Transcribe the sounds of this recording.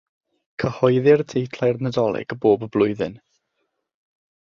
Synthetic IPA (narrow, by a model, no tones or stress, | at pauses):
kʰəhɔɨðɪrdʰejtʰlajrnədɔlˠɪ̰ɡ̥əboːbəblˠʊɨðɨ̰n